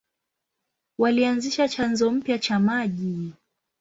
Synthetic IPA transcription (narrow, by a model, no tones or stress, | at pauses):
walianziʃat͡ʃanzɔm̩pjat͡ʃamaʄi